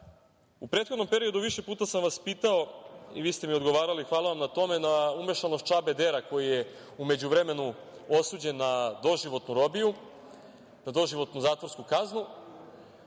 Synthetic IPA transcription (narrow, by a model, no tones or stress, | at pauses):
upɾet̪xod̪no̞mpe̞ɾio̞d̪uʋiʃe̞puːt̪asamʋaspiːt̪ao̞ḭʋiːst̪emiod̪ɡo̞ʋaːɾalixʋaːlˠaʋamnat̪o̞me̞naume̞ʃanost̪t͡ʃabe̞d̪eɾako̞jije | ume̞d͡ʑuʋɾe̞me̞nu | o̞suːd͡ʑe̞nːad̪o̞ʒiʋo̞t̪nuɾo̞biju | nad̪o̞ʒiʋo̞t̪nuzaːt̪ʋoɾskukaznu